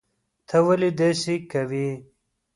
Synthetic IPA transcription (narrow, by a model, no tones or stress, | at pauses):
t̪ʰɐwɐlid̪esikɐwi